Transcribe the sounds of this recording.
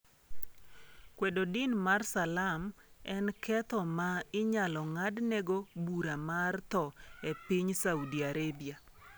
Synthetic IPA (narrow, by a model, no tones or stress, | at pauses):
kwedodɪnmarsalamɛnkʰɛt̪ɔmaɪɲalɔŋadnɛɡobuɾamart̪ɔepɪɲsaudiaɾebia